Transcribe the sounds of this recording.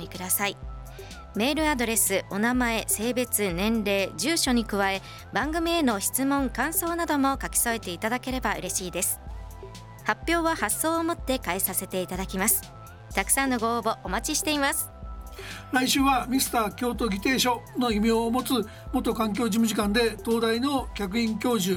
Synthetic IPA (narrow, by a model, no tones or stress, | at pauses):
mʲikɯ̟d̪asai | me̞ːɾɯ̟ad̪o̞ɾe̞sɨʔo̞namae̞se̞ːbe̞t͡sɨnẽ̞nɾe̞ːd͡ʑɨːɕo̞ɲ̟ikɯ̟βae̞ | bãŋɡɯ̟mʲie̞no̞çi̥t͡sɨmõ̞ŋkãɰ̃so̞ːnad̪o̞mo̞kakʲi̥so̞e̞t̪e̞it̪ad̪ake̞ɾe̞baɯ̟ɾʔe̞ɕiːd̪e̞sɨ̥ | hapʲjo̞ːβahasːo̞ːomo̞t̪ːe̞kaesase̞t̪e̞it̪ad̪akʲimasɨ̥ | t̪akɯ̟̥sãnːo̞ɡo̞obo̞ʔːmat͡ɕiɕi̥t̪e̞imasɨ̥ | ɾaiɕɨːβamʲisɨ̥t̪aːkʲo̞ːt̪o̞ɡʲit̪e̞ːɕo̞no̞imʲiomo̞t͡sɨ | mot̪o̞kãŋk̬ʲo̞ːʑimɯ̟ʑikãnd̪e̞t̪o̞ːd̪aino̞kʲakɯ̟ĩŋkʲo̞ːʑɨ